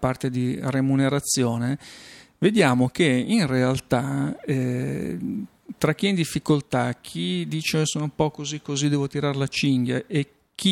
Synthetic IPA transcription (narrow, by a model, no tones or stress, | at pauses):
part̪ed̪iremuneɾat̪sːjoːne | ved̪jaːmokeinrealt̪aɛ | t̪ɾak̟ːiɛind̪ifːikolt̪ak̟ʰid̪iːt͡ʃesoːnoumpɔkozikːozid̪ɛːvot̪iɾaɾlat͡ʃiŋɡjaʔe | k̟ʰːi